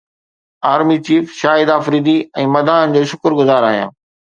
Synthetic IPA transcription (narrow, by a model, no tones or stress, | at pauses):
aːɾmit͡ɕiːfʃaːɪd̪aːfɾiːd̪iɛ̃ːmɐd̪ʱaːnən̆d͡ʑoːʃʊkʊɾɡʊzaːɾaːɦijãː